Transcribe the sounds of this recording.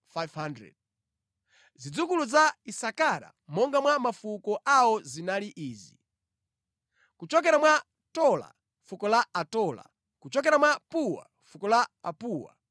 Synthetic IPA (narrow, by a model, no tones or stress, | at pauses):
fajvhandɾɛ̰d̥̚ | zid͡zukuluzaisakaɾa̰mɔŋɡamwamafukɔʔawɔzinaliʔiːzi | kut͡ʃɔkɛɾamwa | tɔla̰ | fukɔlaatɔla̰ | kut͡ʃɔk̬ɛɾamwapuwa̰ | fukɔlaːpuːwa̰